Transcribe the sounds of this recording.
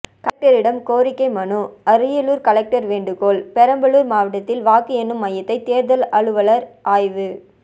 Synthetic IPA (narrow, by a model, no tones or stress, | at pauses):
kɐk̚ʈɐɾɪɽɐmkoːɾɪkːɐɪmɐnuɐɾɯjɐluːɾkɐlɛk̚ʈɐɾʋeːɳɖɯkoːlpɛɾɐmbɐɭuːɾmaːʋɐʈːɐt̪ːɪlʋaːkɯɛnːɯmːɐjːɐt̪ːɐɪt̪eːɾðɐlɐɭɯʋɐɭɐɾʔaːjʋɯ